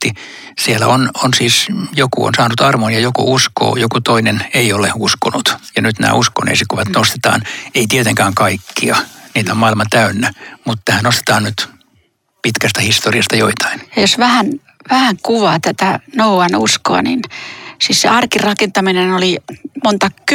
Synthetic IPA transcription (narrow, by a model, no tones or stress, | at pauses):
i | sielæ̰ononsiːsjokṵo̰nsɑːnut̪ɑrmonjɑjokṵusko̰ːjokut̪oineneioleuskonut̪jɑnyt̪næ̰ːusko̰nḛisikuʋɑt̪nost̪e̥t̪ɑ̰ːneit̪iet̪eŋkæːŋkɑikːḭɑniːt̪æommɑilmɑt̪æynːæmut̪ːæhænnost̪e̥t̪ɑːnnyt̪ | pit̪kæst̪æhist̪oriɑst̪ɑjoit̪ʰɑ̥injɑjosʋæhæn | ʋæhæŋkuʋɑt̪æt̪ænouɑnusko̰ɑ̰ninsiːssḛɑrkirɑkent̪ɑminenolimont̪ɑk